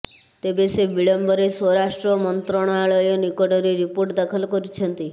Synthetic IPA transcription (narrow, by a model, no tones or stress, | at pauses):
t̪ebesebiɭəmbəɾesɔɾaʃʈɾɔmɔnt̪ɾɔɽ̃aɭɔjɔnikɔɖɔɾiɾipoɾʈd̪akʰəlkɔɾit͡ʃʰənt̪i